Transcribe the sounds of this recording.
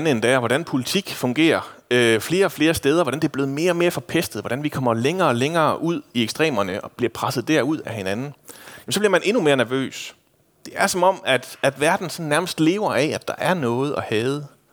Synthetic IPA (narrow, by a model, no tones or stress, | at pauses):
nəend̥ɛ̰ɒʋɒdɾænpʰo̝lit͡sʰiɡ̥fɔ̽ŋɡ̥e̝̰ːɐøfle̝ːɐɒ̽fle̝ːɐsd̥eːð̞ˠɐʋɒɾænd̥e̝ɐb̥le̝ːð̩ˠme̝ːɐɒ̽me̝ːɐfɒ̽pʰesd̥ð̩ˠʋɒd̥ɾænʋikʰɒ̽m̰ɐleŋɐːɒleŋɐːʔuð̞̰ˠieɡ̥sd̥ʁḛːmɐnəʔɒ̽b̥liɐpʰʁasð̩ˠd̥æɐuð̞̰ˠæhe̝nænn̩jemsɒ̽b̥liɐmænʔe̝nume̝ːɐnæɐʋø̰ːs | d̥e̝æɐsɒ̽mɒ̽m̰æd̥æd̥ʋæɐd̥n̩sɒ̽n̩næɐməsd̥le̝̰ːʊɐʔɛæd̥ɑ̈ʔæɐnɔ̽ːð̞̩ˠɒ̽hɛːð̩ˠ